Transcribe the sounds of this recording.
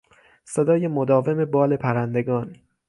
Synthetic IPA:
sed̪ɒːje̞mod̪ɒːve̞me̞bɒːle̞pʰæɾænd̪e̞ɡɒːn

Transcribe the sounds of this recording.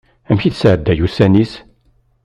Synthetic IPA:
æmçiθsʕəd̪ːæjusænis

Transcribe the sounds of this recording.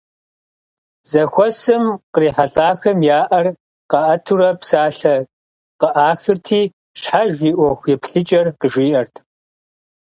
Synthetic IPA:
zɐxʷɔsɨmqəriːħaɬʼaːxɐmjaːʔɐr | qɐʔɐtʰuɾɐpsaːɬɐ | qəʔaːxɨrtʰiː | ɕħaʒiːʔʷɔxʷjɛpɬɨt͡ʃʼɐrqəʒʷiːʔɐrtʰ

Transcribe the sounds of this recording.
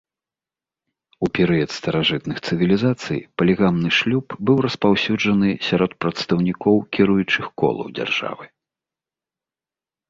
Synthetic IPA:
upʲɛɾɨjɐt̪st̪ɐɾaʐɨt̪nɨxt̪sɨvʲilʲizat̪sɨ̰jpɐlʲɛɣamnɨʂlʲupbɨwrɐspawsʲud͡ʐɐnɨsʲaɾɔt̪̚pɾɐt̪st̪ɐwnʲikɔwkʲiɾujut͡ʂɨxkɔ̰lˠɐ̰wd͡zʲa̰rʐ̥a̰vɨ

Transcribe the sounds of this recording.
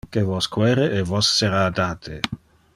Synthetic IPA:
kevɔskwɛːɾeʔɛvɔsːeɾaːd̪aːt̪ʰe

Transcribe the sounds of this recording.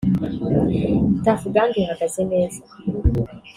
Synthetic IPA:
tafuɡanduhakazɛmɛza

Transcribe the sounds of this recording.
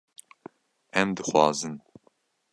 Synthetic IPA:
ɛmd̪ɨxwɑːzɨn

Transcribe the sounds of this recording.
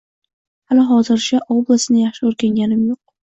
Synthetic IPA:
halɪɦɒzɪɾt͡ʃʰaʔoblˠasɪnɪjaχʃɪoɾɡʲaŋɡʲanɪmjoq̚

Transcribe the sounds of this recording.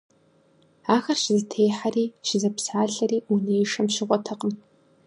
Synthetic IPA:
aːxɐrʃɪzɨtʰeːħariːʃɪzɐpsaːɬɐriːunejʂɐmʃɪʁʷɔtʰɐqʼən

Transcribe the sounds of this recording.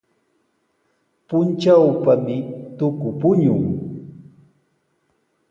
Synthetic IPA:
pʊnt͡ʃawpamɪt̪ʊkʊpʊɲʊŋ

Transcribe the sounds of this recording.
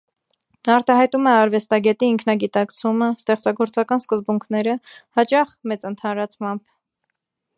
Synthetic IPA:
ɑɾt̪ɑɦɑjt̪umɛɑɾvɛst̪ɑɡɛt̪iːŋkʰnɑɡit̪ɑkt͡sʰuməst̪ɛχt͡sɑɡɔɾt͡sɑkɑnskəzbuŋkʰnɛɾəhɑt͡ʃɑχmɛt͡sənt̪ʰɑnɾɑt͡sʰmɑmb

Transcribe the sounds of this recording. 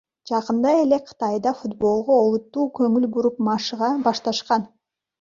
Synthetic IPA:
d͡ʒɑqɯnd̪ɑe̞le̞qʰɯ̥t̪ɑjd̪ɑfud̪bo̞lˠʁoo̞lˠut̪ːuːkɵŋylbuɾupmɑʃɯʁɑbɑʃt̪ɑʃqɑn

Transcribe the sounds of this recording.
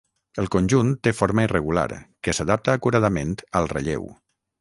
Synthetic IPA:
əlˠkonʲʒunt̪ːefoɾməirəɣula̰ɾkəsaðap̚t̪aːkuɾað̞əment̪əlˠrə̰ʎḛw

